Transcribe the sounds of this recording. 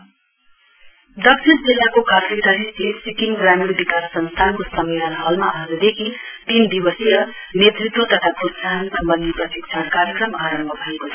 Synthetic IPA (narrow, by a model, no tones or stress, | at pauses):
d̪ʌk̚t͡ʃʰiɾd͡zilːakokat̪ɾit̪ʌɾisisikiŋɡramiɽbikasːʌnst̪ʰankosʌmːilʌnɦʌlmaʔʌd͡zud̪ekʰit̪ind̪ibʌsiɾʌ | net̪rit̪wʌt̪ʌt̪ʰakutsaɦnsʌmbʌnd̪ipʌsik̚t͡ʃʰakaɾjʌkrʌmaɾʌmbʱʌbʱʌekot͡sʰʌ̥